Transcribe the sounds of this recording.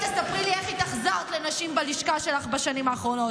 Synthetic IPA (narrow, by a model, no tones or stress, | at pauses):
tesapʁilieχit̪aχzaʁt̪lenaʃimbaliʃkaʃelaχbaʃanimaːχʁo̞no̞t